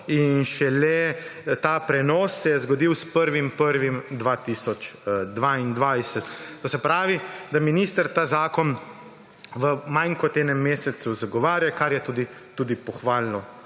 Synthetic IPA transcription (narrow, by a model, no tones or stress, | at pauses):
inʃɛlɛt̪aːpɾɛnɔːsːɛjɛzɡɔd̪iwspəɾʋimpəɾʋimd̪ʋaːt̪iːsɔt͡ʃd̪ʋaind̪ʋajsɛt̪ːoːsɛpɾaːʋid̪aminiːst̪əɾt̪aːzaːkɔn | ʋəmajŋkɔt̪eːnɛmːeːsɛt̪suzaɡɔʋaːɾjakaɾjɛt̪uːd̪i | t̪uːd̪ipɔxʋaːlnɔ